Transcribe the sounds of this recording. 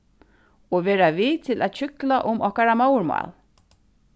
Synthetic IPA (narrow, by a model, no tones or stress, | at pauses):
ɔʋeːɾaviːt̪ʰɪlʔæ̰ːt̪ɕʏklaʔʊmɔhkaɾamaːwɾma̰ːl